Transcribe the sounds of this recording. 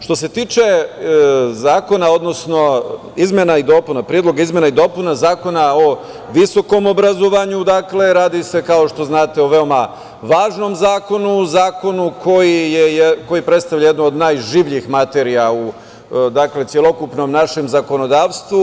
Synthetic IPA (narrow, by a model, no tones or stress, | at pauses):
ʃt̪o̞s̬e̞t̪iːt͡ʃe̞ | zaːko̞nao̞d̪no̞sno̞ | izmjenaid̪o̞punapɾied̪lˠo̞ɡaizmje̞naid̪o̞punazaːko̞nao̞ | ʋiso̞ko̞mo̞bɾazoʋaɲud̪akle̞ɾaːd̪ise̞kao̞ʃt̪o̞znaːt̪e̞oʋe̞o̞ma | ʋaːʒno̞mzaːko̞nuzaːko̞nukʰo̞jijejeko̞jipɾet̪st̪aʋʎajed̪nood̪naːjʒiːʋʎixmat̪eɾijau | d̪akle̞t̪sʲje̞lˠo̞kupno̞mnaʃe̞mzako̞no̞d̪aːʋst̪ʋu